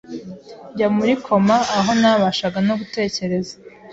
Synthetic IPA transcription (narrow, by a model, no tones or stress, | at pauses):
ɟamuɾikʰo̞maːɦo̞naβaʃaɡanoɡute̞ːce̞ɾe̞zḁ